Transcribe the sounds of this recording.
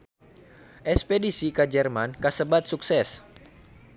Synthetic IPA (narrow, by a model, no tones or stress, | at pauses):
ʔɛspedisikad͡ʒɛrmankasəbat̪̚suksɛs